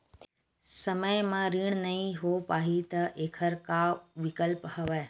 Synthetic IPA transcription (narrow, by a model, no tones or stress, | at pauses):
sɐməjmãɾiːɽ̃nɐĩɦopaːɦit̪ɐʔeːkʰəɾkaʋɪkəlphɐʋə